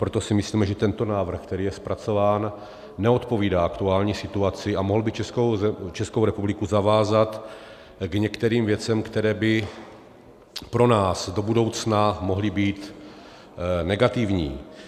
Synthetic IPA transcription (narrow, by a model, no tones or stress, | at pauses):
pɾo̞t̪osɪmɪsliːmɛʒɛt̪ɛnt̪onaːvr̩xk̚t̪ɛɾiːjɛspɾʔat͡so̞vaːnː | ɛo̞t̪po̞viːdaːakt̪uaːlɲiːsɪt̪uat͡sɪamoɦl̩bɪt͡ʃɛskot͡ʃɛskowɾɛpublɪkuzavaːzat̪ | ɡɲɛkt̪ɛɾiːmvjɛt͡sɛmkt̪ɛɾɛːbɪ | pɾo̞naːsdo̞budo̞wt͡snamo̞ɦlɪbiːt̪ | nɛɡat̪ɪvɲiː